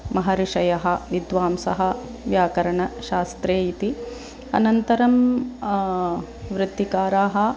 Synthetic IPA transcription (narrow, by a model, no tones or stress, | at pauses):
mɐɦɐɾiʂɐjɐɦɐ̆ʋid̪ʋaːmsɐɦɐ | ʋjaːkɐɾɐɳɐʃaːst̪ɾeːit̪i | ɐ̰nɐnt̪ɐɾɐm | ʋɾɪt̪ːikaːɾaːɦɐ̆